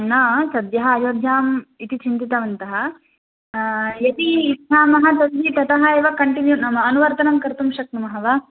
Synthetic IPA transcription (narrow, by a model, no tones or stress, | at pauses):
nɐsɐd̪jɐɦɐaːjoːd̪ʱjaːmit̪it͡ʃint̪it̪ɐʋɐnt̪ɐɦɐ | jɐt̪id̪ɦaːmɐɦɐt̪ɐlɦit̪ɐt̪ɐɦɐeːʋɐkɐɳʈinjunɐmɐːnuʋɐɾt̪ɐnɐmkɐɾt̪umʃɐk̚nɐmɐɦɐʋɐ